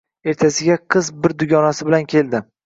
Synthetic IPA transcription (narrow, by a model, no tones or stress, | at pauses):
e̞ɾt̪ʰasɪɡʲaqʰɨzbɪɾd̪ʊɡʲɒnasɪbɪlankʲʰe̞ld̪ɪ